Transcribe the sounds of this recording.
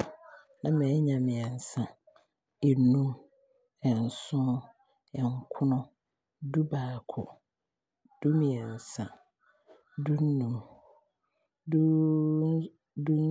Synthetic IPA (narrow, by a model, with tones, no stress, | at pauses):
nã˦mɛ̃˨˦ɲã˨mɪ̃˨ɛ˨n̩˨sã˨ | ɛ˨nũ˦ | ɛ˨n̩˨sʊ̃˦ | ɛ˨ŋ˦kʰʊ˦nʊ̃˦ | du˦baː˨kʰʊ˨ | d̥u˦mɪ̃˨ɛ˨n̩˨sã˨ | du˦n̩ː˦ũ˨m | du˦ | du˦